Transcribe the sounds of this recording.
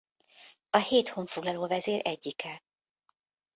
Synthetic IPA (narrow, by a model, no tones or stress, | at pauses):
ɒheːt̪ho̞ɱfo̞ɡlɒloːvɛzeːrʔɛɟːikɛ